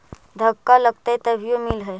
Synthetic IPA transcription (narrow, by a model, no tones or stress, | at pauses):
d̪ʱəkːaləɡt̪ajt̪əbʱijomilɦəj